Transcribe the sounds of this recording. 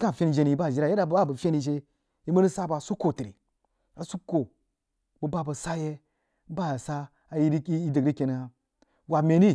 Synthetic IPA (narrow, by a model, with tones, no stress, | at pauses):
ka˦˨fʲe˦ni˨d͡ʒe˧ni˨i˨˦ba˦˨ʒi˦ɾa˨je˦a˨bba˦˨bə˨fʲe˦ni˨d͡ʒe˦ | i˦mə˦ni˦sa˦ba˨su˦kːo˨ti˨ɾi˨ | a˨su˦ko˨ | bu˨ba˦bə˨sa˦je˦ | ba˦˨sa˦ | a˨ji˦i˦i˦dɨ˨ɾi˦ke˨n˨a˨ | wa˨me˨ni˦